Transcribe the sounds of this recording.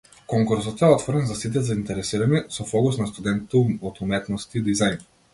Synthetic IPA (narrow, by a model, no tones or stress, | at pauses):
kɔŋkuɾsɔt̪ɛɔt̪vɔɾɛnzasit̪̬ɛzaint̪ɛɾɛsiɾanisɔfɔkusnast̪ud̪ɛnt̪t̪ɔt̪umɛt̪nɔst̪iːd̪izajn